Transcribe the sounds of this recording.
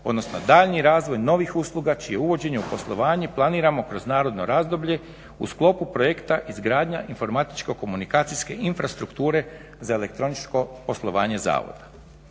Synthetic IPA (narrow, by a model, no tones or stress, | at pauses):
od̪no̞sno̞̰d̪aːʎniɾaːzʋo̞jno̞ʋixuslˠuɡat͡ʃije̞uʋo̞d͡ʑe̞ɲeupo̞slˠo̞ʋaːɲe̞plˠaniːɾamo̞kɾo̞znaːɾo̞d̪no̞̰ɾaːzd̪o̞bʎe̞ | usklˠo̞pupɾo̞jekt̪aʔizɡɾaːd̪ɲaʔinfo̞ɾmat̪i̥t͡ʃko̞ko̞munikaːt̪siske̞ʔinfɾast̪ɾukt̪uːɾe̞ | zae̞le̞k̚t̪ɾo̞nit͡ʃko̞po̞slˠo̞ʋaːɲe̞za̰ːʋo̞̰d̪̥a